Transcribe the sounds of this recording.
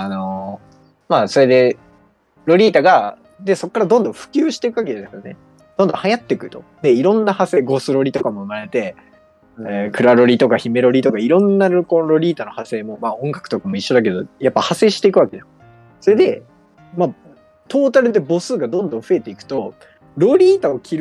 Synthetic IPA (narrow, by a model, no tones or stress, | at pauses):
ano̞ | maːso̞ɾe̞d̪e̞ | ɾo̞ɾʲiːt̪aɡa | d̪e̞so̞kːaɾad̪õ̞nd̪õ̞ɸɯ̟̥kʲɨːɕi̥t̪e̞ikɯβakedad̪eskad̪ane̞̰ | d̪̥õ̞nd̪õ̞hajat̪ːekɯ̟t̪o̞̥̰d̪e̞iɾõ̞nːahase̞ːɡo̞sɨɾo̞ɾʲit̪o̞kamo̞ɯ̟maɾe̞t̪e̞ | kɯ̟ɾaɾo̞ɾʲit̪o̞kaçime̞ɾo̞ɾʲit̪o̞kaiɾõ̞nːaɾokoɾo̞ɾʲiːt̪ano̞hase̞ːmo̞maːõ̞ŋɡakɯ̟̥t̪o̞kamo̞iɕːo̞d̪ak̬e̞d̪o̞japːahase̞ːɕi̥t̪e̞ikɯ̟βake̞da | so̞ɾe̞d̪e̞ | ma | t̪o̞ːt̪aɾɯ̟d̪e̞bo̞sɨːɡad̪õ̞nd̪õɰ̃ɸɯ̟e̞t̪e̞ikɯ̟̥t̪o̞ | ɾo̞ɾʲiːt̪aokʲʰiɾ